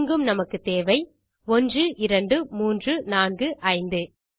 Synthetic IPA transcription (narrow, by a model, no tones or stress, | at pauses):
ŋɡɯmnɐmɐkːɯt̪eːʋɐɪ | ɔndrɯʔɪɾɐɳɖɯmuːndrɯnaːnɡɯʔɐɪnd̪ɯ